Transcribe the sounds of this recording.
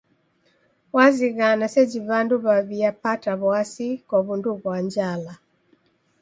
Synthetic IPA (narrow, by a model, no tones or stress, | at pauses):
waziɣanasɛd͡ʒiβanduβaβiapataβwasikɔβunduβwaɲd͡ʒala